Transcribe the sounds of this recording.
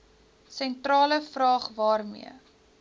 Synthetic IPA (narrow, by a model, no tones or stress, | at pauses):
sɛntrɑːləfrɑːχvɑːrmḭə